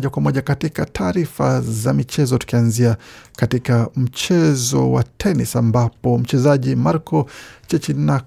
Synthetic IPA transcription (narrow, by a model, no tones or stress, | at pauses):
akwamɔʄakatikatʰaːɾifa̰zamit͡ʃɛzɔtu̥kianziakatikam̩t͡ʃɛzɔwa̰tʰɛnisambapɔm̩t͡ʃɛzaʄimaɾkɔt͡ʃɛt͡ʃina